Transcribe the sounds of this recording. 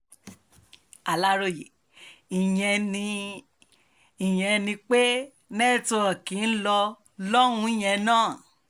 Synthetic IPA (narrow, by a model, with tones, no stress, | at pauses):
a˨la˦ɾo˧˨je˨ | i˨jɛ̃˧nĩ˧ | i˨j̃ɛ̃˧nĩ˧k͡pe˦ | nɛ˦˨to˧ɔ˨kĩ˨˦n̩˦lɔ˧ | lɔ˦ɾ̃ũ˧˦i˦˨j̃ɛ̃˧nãː˦˨